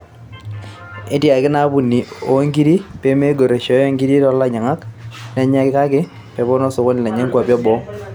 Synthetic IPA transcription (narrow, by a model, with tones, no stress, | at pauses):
ɪ˦tja˨kɪ˦na˦bu˨ni˨o˨˦ŋɡi˦ɾi˦pe˦me˦ɡo˨ɾe˨ʃɔ˨˦jŋɡi˦ɾi˦ɾɔ˦la˦ɲa˨ŋa˦klɛ˨ɲa˦kɪ˦ka˦kɪ˦ | pɛ˨bɔ˦nɔ˦sʊ˨ko˦nɪ˨lɛ˨ɲɛ˦ŋkwa˨pjɔ˦bɔ˦